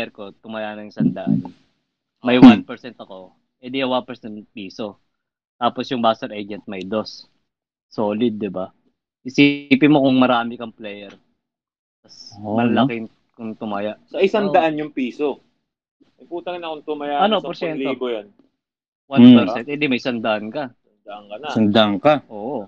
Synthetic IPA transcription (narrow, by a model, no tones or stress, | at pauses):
ɛɾko̞t̪ʊmɐjaʔnɐŋɪsɐnd̪ɐʔa̰n | mɐjwanpɛɾsɛnt̪ɐko̞ | ʔɛd̪ijɐwanpɛɾsɛn̚piːso̞ | t̪aːposjʊŋbaːst̪ɐɾʔed͡ʒɛnt̪̚mɐjd̪o̞sː | o̞ːlɪd̪̚ːɪba | ʔɪsiːpɪmokʊŋmɐɾaːmɪkɐŋplɛːjɛɾ | t̪ɐsmɐlɐlɐkɪŋ | kʊŋt̪ʊmajaʔsɐʔɪsɐnd̪ɐʔanjʊŋpiːso | ɐŋpuːt̪ɐŋnɐkʊŋt̪ʊmajaɐnopɔɾsɛntlobojan | wapɛɾsɛnt̪ʔɛd̪imɐjsɐnd̪ɐʔankɐ | nd̪aʔɐŋkɐnɐsɐnd̪aʔaŋkaʔoːʔo